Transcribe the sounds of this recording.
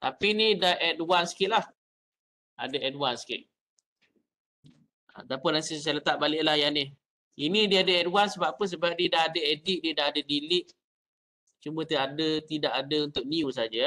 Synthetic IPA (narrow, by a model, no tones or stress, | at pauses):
t̪apinidaʔɛdwansi̥kɪt̪ʔ̪̚lah | a̰dəɛdwansi̥kɪ̰t̪̚ | a̰t̪apʊnasisalət̪aʔbalɪʔlahjanɪh | inidiəadəɛdwansəbapəns̬əbap̚diədaɦadəedɪʔ̚diədaadədilɪʔ | t͡ʃumbət̪iaʔadət̪idaʔadəunt̪ʊk̚niusad͡ʒa